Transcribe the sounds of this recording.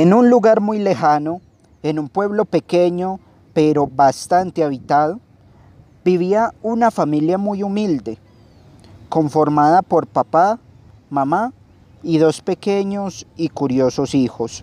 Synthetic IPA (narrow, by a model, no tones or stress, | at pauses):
enunluɣaɾmujle̞xano̞ | enumpwe̞βlo̞pe̞ke̞ɲo̞ | pe̞ɾo̞bast̪ant̪eaβit̪aðo | biβiaunafamiljamujumild̪e̞ | ko̞ɱfo̞ɾmaðapo̞ɾpapa | mama | iðo̞spe̞keɲo̞sikuɾjo̞so̞sixo̞s